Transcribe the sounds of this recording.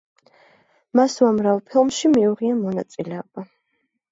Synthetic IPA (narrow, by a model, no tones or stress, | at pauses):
masvamɾavɛpʰilˠmʃimiuʁianmɔnat̪sʼilɛɔb̥a